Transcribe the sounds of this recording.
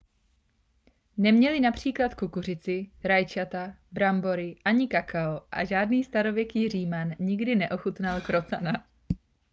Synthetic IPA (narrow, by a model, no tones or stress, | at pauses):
nɛmɲɛlɪnapr̝̥iːklat̪kukur̝ɪt͡sɪɾajt͡ʃat̪abɾambo̞ɾɪʔaɲɪkakaoʔa̰ʒaːdniːst̪aɾo̞vjɛkiːriːmanɲɪɡdɪnɛʔo̞xut̪nalkɾo̞t͡sana